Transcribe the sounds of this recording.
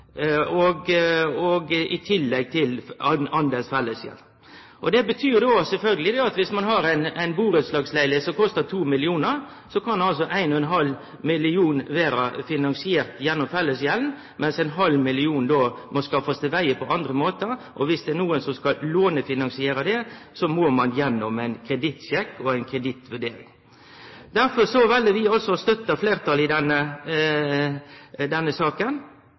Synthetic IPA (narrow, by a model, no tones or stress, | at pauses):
ɔɡɔɡɪt̪ʰɪlːɛɡ̚t̪ʰɪlɑnd̪ɛsfɛlːəsjɛ̰ln | ʔɔd̪ɛbət̪ʰyːɾd̪osɛlfœlɡəlɪd̪ɛːɑt̪ʋɪsmɑnɦɑɾæɪnæɪnbuːɾət̪slɑːɡslæɪləsɔkɔst̪ət̪ʰuːmɪlɪuːnəɾ | sɔkʰɑnɑls̬ɔʔæɪnɔɛnɦɑl | mɪlɪuːnʋeːɾɑfɪnɑnsɪeːʁt̪jɛnːɔmfɛlːəsjɛln | mʔɛnsæɪnɦɑlːmɪlɪuːnd̪oːmɔskɑfost̪ɛʋæɪəpʰɔʔɑnd̪ɾəmoːt̪əʔɔʋɪsd̪ɛːnuːənsɔmskɑlloːnəfɪnɑnsɪeːɾəd̪ɛsɔmoːmɑnjɛnːɔmæɪnkʰɾɛd̪ɪt̪ɕɛkːɔæɪnkʰɾɛd̪ɪt̪ʋʉɖeːɾɪ̰ŋ | d̪æɾfɔɾsɔʋɛlːəʋɪɑlsɔst̪œt̪ːəfleːɾt̪ʰɑlɪd̪ɛnːə | d̪ɛnːəsɑːkən